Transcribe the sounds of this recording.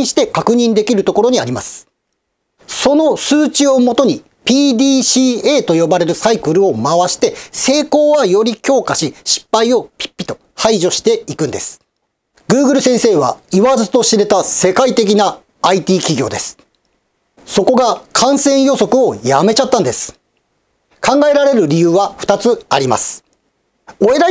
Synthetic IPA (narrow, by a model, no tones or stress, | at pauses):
ɕi̥t̪e̞kakɯ̟ɲ̟ĩnd̪e̞kʲiɾɯ̟t̪oko̞ɾo̞ɲ̟iaɾʲima̰sɨ̥ | so̞no̞sɨːt͡ɕio̞mo̞t̪o̞ɲ̟i | pʲiːd̪ʲiːɕiːeːt̪o̞jo̞baɾe̞ɾɯ̟saikɯ̟ɾɯ̟o̞maβaɕi̥t̪e̞se̞ːko̞ːβajo̞ɾʲikʲo̞ːkaɕiɕi̥pːaio̞pʲi̥pʲːi̥t̪o̞ | haiʑo̞ɕi̥t̪e̞ikɯ̟̃nd̪e̞sɨ̥ | ɡ̥ɯ̟ːɡɯ̟ɾɯ̟sẽ̞ɰ̃se̞ːβa̰iβazɨt̪o̞ɕiɾe̞t̪ase̞kait̪e̞k̬ʲinaː | it̪ʲiːkʲiɡʲo̞ːd̪e̞sɨ̥ | so̞ko̞ɡakʰãɰ̃sẽ̞ɰ̃jo̞so̞kɯ̟o̞jame̞t͡ɕat̪ːãnd̪e̞sɨ̥ | kãŋɡae̞ɾaɾe̞ɾɯ̟ɾʲijɯ̟ːβaɸɯ̥t̪at͡sɨaɾʲima̰sɨ̥ | oe̞ɾa